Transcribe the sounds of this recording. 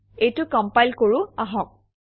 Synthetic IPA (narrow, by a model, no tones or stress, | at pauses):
ejtʊkɔmpajlkoɹʊaɦɔk̚